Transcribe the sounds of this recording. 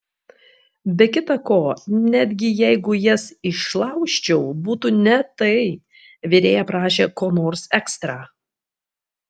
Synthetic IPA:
bʲɛkʲɪt̪ɐkoːnʲæd̪ʲɡʲɪjɛɪɡʊjɛsɪʃlˠɑʊʃʲt͡ʃʲɛʊbuːt̪uːnʲɛt̪ɐɪ | ʋʲɪɾʲeːjɛpɾɑːʃʲeːkoːnoːɾsɛkst̪ɾɑː

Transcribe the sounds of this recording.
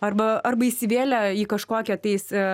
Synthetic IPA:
ɐrbɐɐrbɐisʲɪʋʲeːlʲɛiːkɐʃkoːkʲɛt̪ɐɪs

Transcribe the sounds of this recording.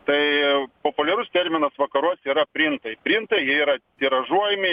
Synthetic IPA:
t̪ɐɪpoːpʊlʲɛɾʊst̪ʲɛɾʲmʲɪnɐsʋɐkɐɾuɔsʲiːɾɐpʲɾʲɪnt̪ɐɪpʲɾʲɪnt̪ɐɪjiɛiːɾɐt̪ʲiɾɐʒuɔjɛmʲɪ

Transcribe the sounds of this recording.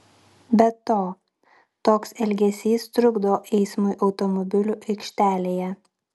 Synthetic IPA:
bʲɛt̪oː | t̪oːksɛlʲɡʲɛsʲiːst̪ɾʊɡd̪ooʔɛɪsmʊɪʔɒʊt̪ɔmɔbʲɪlʲuːˑʔɛɪkʃʲt̪ʲæːlʲeːjɛ

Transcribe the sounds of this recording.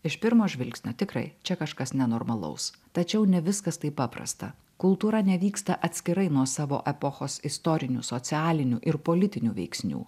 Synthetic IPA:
ɪʃpʲɪɾmoːʒʲʋʲɪlʲksʲnʲoːt̪ʲɪkɾɐ̰ɪt͡ʃʲɛkɐʃkɐsnʲɛnoːɾmɐlˠɐ̰ʊs | t̪ɐt͡ʃʲɛʊnʲɛʋʲɪskɐst̪ɐɪpɑːpɾɐ̰st̪ɐ̰ | kʊlˠt̪uːɾɐnʲɛʋʲiːkst̪ɐʔɐt̪ʲsʲkʲɪɾɐɪnuɔsɑːʋo̰ːʔɛpoxoːsɪst̪ɔɾʲɪnʲṵsot̪sʲɪæːlʲɪnʲuːʔɪɾpoːlʲɪt̪ʲɪnʲuːʋʲɛ̰ɪksʲnʲṵː

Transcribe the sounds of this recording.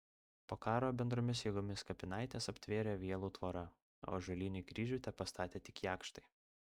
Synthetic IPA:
poːkɑːɾoːbʲɛnd̪ɾoːmʲɪsjiɡɔmʲɪskɐpʲɪnɑɪt̪ʲeːsɐpʲt̪ʲʋʲeːɾʲeːʋʲiɛlˠuːt̪ʋoːɾɐ | o̰ːʒɐlʲiːnʲʊɡɾʲiːʒʲʊːt̪ʲɛpɐst̪ɑːt̪ʲeːt̪ʲɪkjæːkʃt̪ɐɪ

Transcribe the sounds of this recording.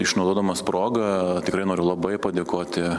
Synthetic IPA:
ɪʃnɐʊd̪oːd̪ɐmɐspɾoːɡɐt̪ʲɪkɾɐɪnoːɾʲʊlˠɐbɐɪpɐd̪ʲeːkoːt̪ʲɪ

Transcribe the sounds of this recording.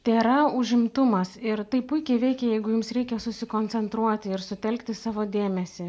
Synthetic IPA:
t̪ʲeːɾɐʊʒʲɪmt̪ʊmɐsɪɾt̪ɐɪpʊɪkʲɛɪʋʲɛɪkʲɛjɛɪɡʊjʊmsɾʲɛɪkʲɛsʊsʲɪkoːnʲt̪sʲɛnt̪ɾuɔt̪ʲɪɪɾsʊt̪ʲɛlʲkt̪ʲɪsɑːʋoːd̪ʲeːmʲɛsʲɪ

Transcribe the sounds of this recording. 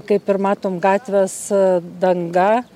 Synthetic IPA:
kɐɪpɪɾmɑːt̪oːmɡɑːt̪ʲʋʲɛsd̪ɐŋɡɐ

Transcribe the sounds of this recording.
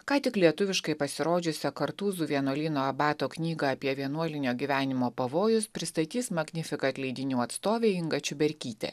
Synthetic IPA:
kɑːt̪ʲɪklʲiɛt̪ʊʋʲɪʃkɐɪpɐsʲɪɾoːd͡ʒʲʊsʲɛkɐɾt̪uːzuːʋʲiɛnuɔlʲiːnoːɐbɑːt̪oːknʲiːɡɐɐpʲiɛʋʲiɛnuɔlʲɪnʲoːɡʲiːʋʲæːnʲɪmoːpɐʋoːjʊspʲɾʲɪst̪ɐt̪ʲiːsmɐɡʲnʲɪfʲɪkɐɐt̪ʲlʲɛɪd̪ʲɪnʲuːɐt̪st̪oːʋʲeːɪŋɡɐt͡ʃʲʊbʲɛɾʲkʲiːt̪ʲɛ̰

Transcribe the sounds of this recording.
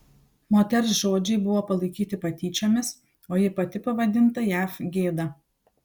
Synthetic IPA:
moːt̪ʲɛɾsʒoːd͡ʒʲɛɪbʊʋoːpɐlˠɐɪkʲiːt̪ʲɪpɐt̪ʲiːt͡ʃʲoːmʲɪs | oːjɪpɐt̪ʲɪpɐʋɐd̪ʲɪnt̪ɐjæːfɡʲeːd̪ɐ

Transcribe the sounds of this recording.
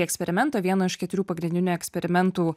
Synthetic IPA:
ɛksʲpʲɛɾʲɪmʲɛnt̪oːʋʲiɛnoːɪʃkʲɛt̪ʊɾʲuːpɐɡɾʲɪnʲd̪ʲɪnʲuɛksʲpʲɛɾʲɪmʲɛnt̪uː

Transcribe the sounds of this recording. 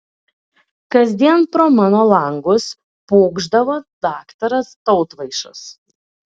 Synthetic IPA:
kɐzʲd̪ʲiɛnpɾoːmɑːnoːlˠɐˑŋɡʊs | poːɡʒd̪ɐʋoːd̪ɑːkt̪ɐɾɐst̪ɒʊt̪ʋɐɪʃʊs

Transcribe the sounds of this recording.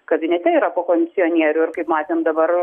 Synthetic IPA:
kɐbʲɪnʲɛt̪ʲɛiːɾɐpoːkoːmʲɪsʲɪjoːnʲiɛɾʲʊːɪɾkɐɪpmɑːt̪ʲeːmd̪ɐbɐɾ

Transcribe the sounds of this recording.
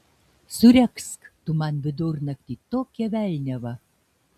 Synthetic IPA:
suɾʲækskt̪umɑnβʲɘd̪urnɐkt̪ʲit̪okʲɛβʲælʲnʲæβɐ

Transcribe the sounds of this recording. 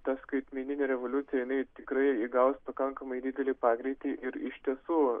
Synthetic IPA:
t̪ɐskɐɪt̪ʲmʲɛnʲɪnʲeːɾʲɛʋolʲʊt̪sʲɪjɛjɪnɐɪt̪ʲɪkɾɐɪiɡɐʊspɐkɐŋkɐmɐɪd̪ʲɪd̪ʲɛlʲiːpɑːɡɾʲiɪt̪ʲiʔɪɾɪʃʲt̪ʲiɛsuː

